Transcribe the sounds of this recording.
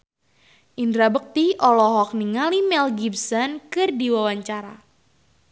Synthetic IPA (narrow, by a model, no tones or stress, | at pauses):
ʔindɾabək̚t̪iʔɔlɔɦɔk̚niŋalimɛlɡibsɔnkɨrdiwawaɲt͡ʃaɾa